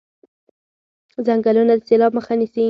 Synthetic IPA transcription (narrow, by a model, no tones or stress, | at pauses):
zaŋɡalunad̪əselɑb̚məxanisi